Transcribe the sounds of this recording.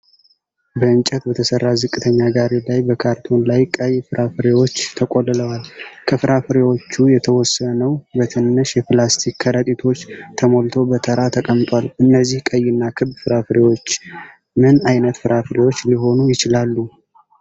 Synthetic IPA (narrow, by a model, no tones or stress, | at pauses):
bəɨnt͡ʃʼət̪bət̪ʰəsərːazɨkʼːɨt̪ʰəɲːaɡaɾelajbəkʰaɾt̪ʰo̞nlajkʼəjfɨɾʔafɨɾewo̞t͡ʃːt̪ʰəkʼolɨləwalkʰəfɨɾafɨɾewo̞t͡ʃːujɛt̪ʰəwɔsːənəwbət̪ʰɨnːɨʃjɛplast̪ʰikːʰəɾət̪ʼit̪ʰo̞t͡ʃːt̪ʰəmo̞lt̪ʰo̞bət̪ʰəɾat̪ʰəkʼəmt̪ʼwalɨnːəzːihkʼəjɨnːakʰɨbfɨɾafɨɾewot͡ʃː | mɨnajnət̪fɨɾafɨɾewot͡ʃːliɦo̞nujɪt͡ʃɪlalːu